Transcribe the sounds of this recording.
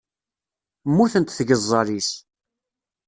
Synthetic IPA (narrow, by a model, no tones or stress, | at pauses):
mːuθənt̪θʝəzˤːɑɾis